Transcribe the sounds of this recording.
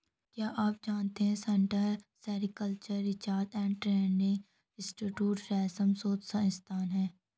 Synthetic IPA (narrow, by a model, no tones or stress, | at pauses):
kjaːʔaːp̚d͡ʒaːnt̪eɦɛ̃sɛ̃ɳʈəɾsɛːɾɪkəlt͡ʃəɾːɪt͡ʃaːɾʈ̪ɛ̃ːɳɖʈɾɛːɳɪ̃ŋ | ɪsʈɪʈjuːʈɾɛːsəmsoːt̪saɪ̃nst̪ʰaːnɦɛ̃ː